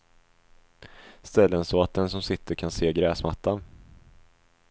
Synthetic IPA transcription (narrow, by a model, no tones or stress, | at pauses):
st̪ɛlːənsɔat̪̚d̪ɛnsɔmsɪt̪ʰːəɾkʰanseːɡɾɛːsmat̪ʰːan